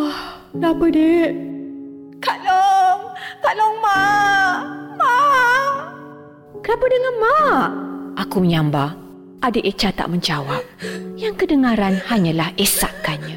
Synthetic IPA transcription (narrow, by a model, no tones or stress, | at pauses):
h | napədeʔ | kalɔŋkalɔŋma | ma | kənapədəŋanmaʔʔakuməɲãmba | ʔadəʔet͡ʃat̪a̰ʔmə̃ɲd͡ʒawap̚jaŋkədəŋãɾanhaɲãlahesaʔkanɲã